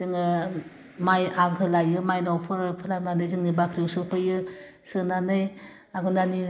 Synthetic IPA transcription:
zɯŋɯ | majaɡʰɯlajɯmajnɔwpʰɯɾɯpʰɯlananɯjzɯŋnibakʰɾiwsɯpʰɯjɯ | sɯnanɯj | aɡunani

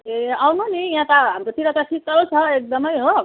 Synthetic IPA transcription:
eawnonijãtk̪aɦamɾot̪ʰiɾʌk̪asikːʌɾot͡sʰʌek̚d̪ʌmʌjɦob

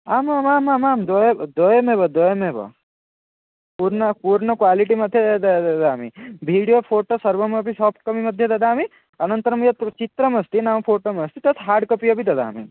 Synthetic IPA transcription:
aːmamaːmamaːmd̪ojd̪ojɐmebɐd̪oːjɐmebɐ̰ | puːɾnɐpuːɾɳɐkʋaːliʈimɐd̪ʱːjed̪d̪ɐd̪aːmḭbʱiːɽijopʰoːʈosɐɾʋɐmɐbʱisɔːpʰʈkɐmimɐd̪ʱjed̪ɐd̪aːmi | ɐnɐnt̪ɐɾɐmjɐt̪t͡ʃit̪ɾɐmɐst̪inaːmpʰoːʈomɐst̪it̪ɐt̪ʰɦaːɾɖkɐpijɐbʱid̪ɐd̪a̰ːmḭ

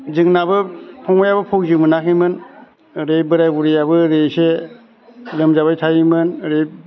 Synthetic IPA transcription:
zɯŋnabɯpʰɔŋɔjabɯpʰowzɯmɯnakʰimɯn | ɾejbɯɾajbuɾijabɯɾese | lɯmzabajtʰajimɯnɾej

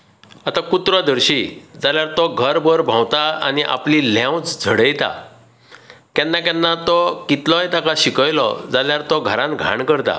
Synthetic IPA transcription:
at̪akut̪ɾɔd̪əɾɕid͡zaljaɾt̪ɔɡʱəɾbəɾbʱãwt̪aa̰niʔa̰plilãwt͡sd͡zʱəɽəjt̪a̰ | kjanːakanːat̪ɔkit̪lɔjt̪akaɕikəjlɔ̰d͡zaljaɾt̪ɔɡʱəɾãnɡʱa̰ɳkəɾt̪a̰

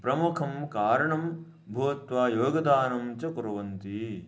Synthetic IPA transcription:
pɾɐmukʰɐmkaːɾɐɳɐm | bʱuʋɐt̪ʋaːjoːɡɐd̪aːnɐmt͡ʃɐkuɾɐʋɐnt̪i

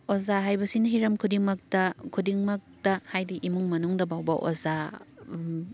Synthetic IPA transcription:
ozaɦajbɐsinɐɦiɾɐmkʰudiŋmɐk̚tɐkʰudiŋmɐk̚tɐhajdiʔimuŋmɐnuŋdɐbawbɐʔo̰za

